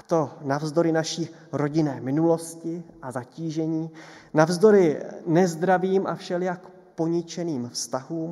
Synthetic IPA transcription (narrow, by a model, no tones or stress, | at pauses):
at̪o̞navzdo̞ɾɪnaʃiː | ɾo̞ɟɪnɛːmɪnulo̞scɪʔazaciːʒɛɲiːnavzdo̞ɾɪnɛzd̪ɾaviːmʔa̰fʃɛljak | po̞ɲɪt͡ʃɛniːmfst̪aɦuːm